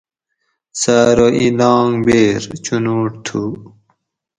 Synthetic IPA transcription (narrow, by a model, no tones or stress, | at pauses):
saːɾoʔilɑːŋbeːɾt͡ɕunuːʈt̪ʰu